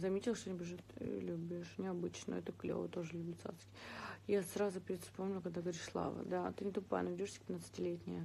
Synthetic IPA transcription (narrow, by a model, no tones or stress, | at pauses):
zɐmʲetʲɪlˠʂt̪onʲɪbʲɪʐɨt̪lʲubʲɪʂnʲɪɐbɨt͡ɕnə̰ɛt̪əklʲo̰və̰t̪o̞ʐɨlʲubʲlʲɪt̪sa̰t̪skʲɪjasɾazʊpʲɪɾʲɪt̪fspomnʲʊkɐɡ̚d̪aɡəvɐɾʲiʂslˠa̰və̰d̪at̪ɨnʲɪt̪ʊpa̰nɐvʲɪdʲoʂsʲə̥pʲɪt̪nat̪sɨ̥tʲɪlʲetʲnʲɪjə